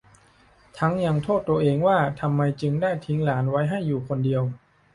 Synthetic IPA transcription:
t̪ʰa˦˥ŋja˧ŋt̪ʰoː˥˩t̪ːu˧əʔeː˧ŋwaː˥˩t̪ʰa˧mːa˧jt͡ɕɯ˧ŋdaː˥˩jt̪ʰi˦˥ŋlaː˩˦nwa˦˥jɦa˥˩jːuː˨˩kʰo˧ndi˧əw

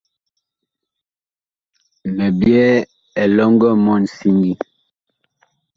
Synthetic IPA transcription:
mɛ˨bjɛ˦ | ɛ˨lɔ˦ŋɡɔ˦mɔ˦˨n̩˨si˦ŋɡi˦

